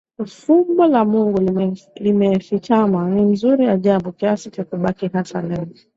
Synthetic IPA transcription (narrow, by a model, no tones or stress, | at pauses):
fumbɔlamuŋɡulimɛlimɛfit͡ʃamaninzuɾijaʄabɔkiasit͡ʃakuɓakiɦasalɛi